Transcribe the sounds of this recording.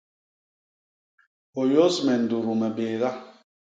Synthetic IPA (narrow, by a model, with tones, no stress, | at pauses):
o˨jo˦smɛ˨ndu˨ɾu˨mɛ˨be˨ða˦